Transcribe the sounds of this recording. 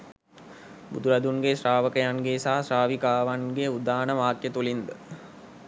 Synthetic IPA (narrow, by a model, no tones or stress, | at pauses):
bud̪uɾad̪unɡesraːʋəkəjaŋɡesaɦasraːʋikaːʋanɡeud̪aːnəʋaːkjət̪ulind̪ə